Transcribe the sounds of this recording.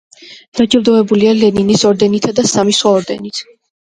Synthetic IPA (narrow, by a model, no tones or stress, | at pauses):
d̪̥ad͡ʒiɾd̪ɔvɛbulialɛninisɔɾd̪ɛnit̪ʰad̪asamiswaɔɾd̪ɛnit̪ʰ